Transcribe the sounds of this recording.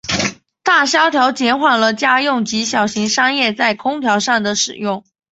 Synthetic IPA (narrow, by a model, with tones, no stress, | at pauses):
t̪a˥˩ɕjɑ˥ʊt̪ʰjɑ˧˥ʊt͡ɕjɛ˧˥nxwa˨˩nlə˨t͡ɕja˥jʊ˥˩ŋt͡ɕi˧˥ɕjɑ˨˩ʊɕi˧˥ŋʂɑ˥ŋjɛ˥˧t͡sa˥˩ɪkʰʊ˥ŋt̪ʰjɑ˧˥ʊʂɑ˥˩ŋd̪ə˩ʂɻ̩˨˩jʊ˥˩ŋ